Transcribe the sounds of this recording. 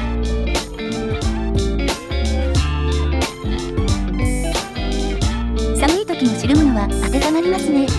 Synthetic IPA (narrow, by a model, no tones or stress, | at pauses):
sanɯ̟it̪o̞kʲino̞ɕiɾɯmɯnβaak̪ek̪anaɾʲimasɨne̞